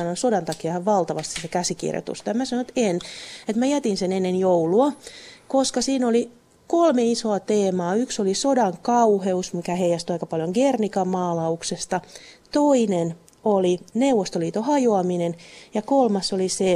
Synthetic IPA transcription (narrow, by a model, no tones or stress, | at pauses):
ɑnonsodɑnt̪ɑkiɑhɑʋʋɑlt̪ɑʋɑst̪i̥ssekæsikḭrjo̰t̪ṵst̪ɑjɑmæsɑnoet̪enet̪mæjæt̪insenenːenjouluɑkoskɑsiːnoli | kolmeisoɑt̪eːmɑːyksolisodɑŋkɑuheusmikæheijɑst̪yɑikɑpɑljoŋɡernikɑmɑːlɑuksest̪ɑt̪oinen | olinewʋːost̪oliːt̪ohɑjoɑminenjɑkolmɑsolise